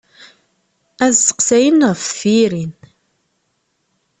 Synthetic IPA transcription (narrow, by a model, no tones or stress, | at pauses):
æzsə̥qsæjənʁffiɾin